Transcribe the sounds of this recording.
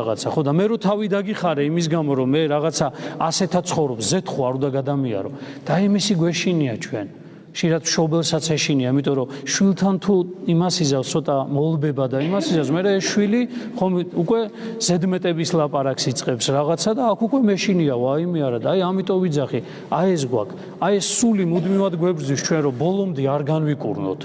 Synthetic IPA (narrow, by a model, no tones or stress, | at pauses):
a̰t̪sʰaχɔd̪amɛɾɔt̪ʰavid̪aɡiχaɾɛimis̬ɡamɔɾɔmɛɾaʁat̪sʰaasɛt̪ʰasʰχɔvɾɔpszɛt̪ʰχuaɾũnd̪aɡad̪amia̰ɾɔ̰d̪̥aːimisiɡwɛʃiniat͡ʃʰwɛn | χʃiɾat̪mʃɔbɛlˠsat̪sʰɛʃiniaimit̪ʼɔɾɔʃwilˠt̪ʰant̪ʰuimasizat̪sʰɔt̪ʼamɔlˠbɛbad̪aimasizazmɛɾɛːsʃwiliχɔmiukʼwɛz̥ɛd̪mɛt̪ʼɛbislˠapʼaɾaksit̪sʼqʼɛpsɾaʁat̪sʰad̪aːkʰukʼwɛmɛʃiniaɔaimɛaɾad̪ajamit̪ʼɔvid̪zaχi | aɛs̬ɡwa̰kʰ | aɛsːulimud̪mivad̪ɡwɛbɾd̪zist͡ʃʰwɛnɾɔbɔlˠɔmd̪iaɾɡanvikʼṵɾnɔ̰t̪ʰ